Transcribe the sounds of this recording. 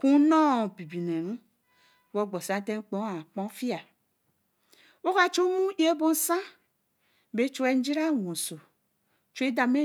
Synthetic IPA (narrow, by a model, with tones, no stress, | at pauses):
ku˦nɔ˦˨bi˨bi˨ne˨ɾu˦ | wo˦ɡ͡bɔ˨sa˨˦te˦k͡põ˦a˨k͡pɔ̃˦fi˦a˨ | wo˦ka˦t͡ʃo˦mu˦je˦bo˦n̩˦sã˦ | be˦t͡ʃo˦e˦n̩˦d͡ʒi˦ɾa˦˨wõ˨so˨ | t͡ʃe˦da˨me˦